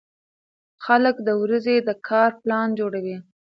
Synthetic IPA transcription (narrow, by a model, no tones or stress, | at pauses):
xaləkd̪əwɾəzed̪əkʰɑɾplɑnd͡ʒoɽawi